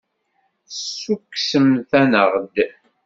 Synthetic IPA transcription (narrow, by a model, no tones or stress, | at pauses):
sukːsəmθænəʁd̪